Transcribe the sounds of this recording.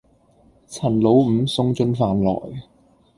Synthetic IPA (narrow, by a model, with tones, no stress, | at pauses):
t͡sʰɐ˨˩nlo˨˥wm̩˨˧sʊ˥ŋt͡sɵ˥nfaː˨˧nlɔ̰ː˨˩j